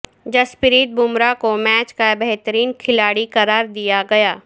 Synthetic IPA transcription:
d͡ʒɐspɪɾiːt̪̚bʱʊmɾakomɛːt͡ʃkabɐɦt̪əɾiːnkʰɪlaːɽikɐɾaːɾd̪ijaɡɐjaː

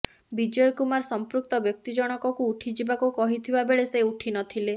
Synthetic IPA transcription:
bid͡ʒɔjɔkumaɾsɔmpɾuk̚t̪ɔbjɔk̚t̪id͡ʒɔɽ̃ɔkɔkuːʈʰid͡ʒibakukɔɦit̪ʰibabeɭeseuʈʰinɔt̪ʰile

